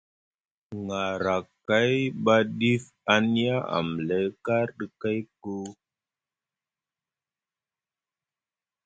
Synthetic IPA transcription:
ŋa˨ɾa˨kːa˦jɓa˦ɗi˦f | a˦n˦ja˦a̰˨m˨le˨˦ka˦ɾɗə˦ka˦jko˦

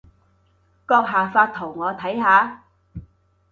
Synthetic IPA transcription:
kɔː˧k̚ɦaː˨faː˧t̚t̪ʰo˨˩wŋɔː˨˧t̪ʰɐ˨˥jɦaː˨˧

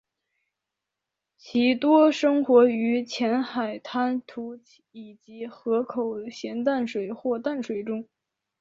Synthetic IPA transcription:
t͡ɕʰi˧˥t̪wɔ˥ʂɤ˥ŋxwɔ˧˥y˧˥t͡ɕʰjɛ˧˥nxa˨˩ɪt̪ʰa˥nt̪ʰu˧˥ | i˨˩t͡ɕi˧˥xɤ˧˥kʰo˨˩ʊɕjɛ˧˥nt̪a˥˩nʂwe˨˩ɪxwɔ˥˧t̪a˥˩nʂwe˨˩ɪʈ͡ʂʊ˥ŋ

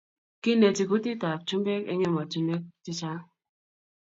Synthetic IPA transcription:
ki˦ne˨ti˨ku˦ti˦ta˨p̚t͡ʃu˦m˦be˦kḛ˦ɲe˦ma˨tu˦me˦k̚ti˦t͡ʃa˦

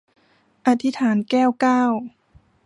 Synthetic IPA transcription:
ʔa˧t̪ʰi˧˥t̪ʰaː˩˦nkɛː˥˩wkaː˥˩w

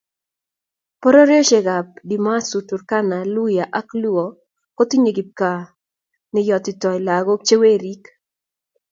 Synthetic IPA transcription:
pɔ˦ɾɔ˦ɾjɔ˦ʃe˨ɡa˨p̚di˨ma˦su˨tu˨rka˦na˨lu˦ja˨ʔa˦klu˦o˨ | ko˦t̪i˦ɲe˨ɡi˨p̚ka˨ | nɪ˦jɔ˨t̪ɪ˨tɔ˨ɪ˨la˨ɡo˦k̚t͡ʃe˦we˦ɾi˦k

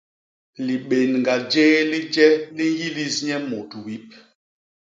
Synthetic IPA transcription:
li˨ɓe˨nŋɡa˨d͡ʒɛ˦li˦d͡ʒɛ˦li˦ji˦li˦sɲɛ˦mo˨tu˨wi˨˦p̚

